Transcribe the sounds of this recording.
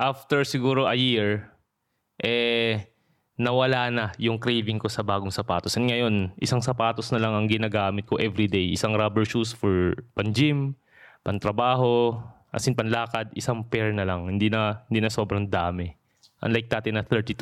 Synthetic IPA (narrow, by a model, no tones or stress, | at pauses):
ʔaft̪ɛɹsɪɡuːɾoʔɐjiɹ | ʔɛ | nɐwɐlaːnɐjʊŋkɾijvɪŋko̞sɐbaːɡoŋsɐpaːt̪osɐnŋɐjo̞nʔɪsaŋsɐpaːt̪osnɐlɐŋɐŋɡɪnaːɡaːmɪt̪̚ko̞ʔɛvɾid̪ejʔɪsaŋɾabɛɹʃusfoɹpɐnd͡ʒɪm | pɐnt̪ɾɐbaːɦo̞ | ʔɐ̰sɪnpɐnlaːkɐd̪ɪsaŋpɛɹnɐlaŋhɪnd̪iːnɐhɪnd̪iːnɐso̞ːbɾɐŋd̪aːmɛ | ʔɐ̰nlajk̚d̪aːt̪ɪnɐθɛɹt̪it̪